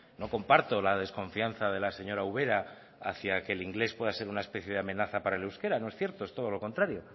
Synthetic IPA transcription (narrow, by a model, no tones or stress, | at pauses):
no̞ko̞mpaɾt̪o̞lað̞e̞sko̞ɱfian̟θaðe̞lase̞ɲo̞ɾauβe̞ɾa | aθjakeːliŋɡle̞spwe̞ðase̞ɾunaespe̞θje̞ðeamẽ̞naθapaɾaelewske̞ɾano̞e̞sθje̞ɾt̪o̞est̪oð̞o̞lo̞ko̞nt̪ɾaɾjo̞